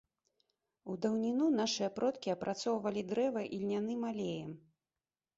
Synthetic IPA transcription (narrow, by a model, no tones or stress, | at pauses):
ud̪ɐwnʲinunaʂɨjɐpɾɔt̪kʲiɐpɾʔat̪sɔwvɐlʲid̪ɾɛvɐʔilʲnʲan̪ɨmalʲejɛm